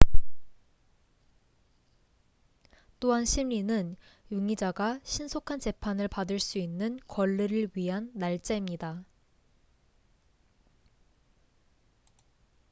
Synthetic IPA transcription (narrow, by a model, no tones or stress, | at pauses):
t͈oɦanɕʰimːinɯnjuŋid͡ʑaɡaɕʰinsʰokʰant͡ɕe̞pʰanɯɭpadɯɭs͈uinːɯnkwʌɭːiɾɯɭɥiɦanːaɭt͡ɕ͈aimɲida